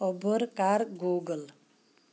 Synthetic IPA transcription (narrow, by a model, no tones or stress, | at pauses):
ɔbʱɔɾkaɾɡoɡəl